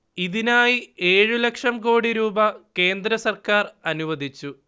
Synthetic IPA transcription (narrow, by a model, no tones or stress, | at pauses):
iðinaːjie̞ːɻulɐkʂɐmko̞ːɽiɾuːbɐke̞ːnd̪ɾɐsɐrkaːrɐnuʋɐd̪ʱit͡ɕːu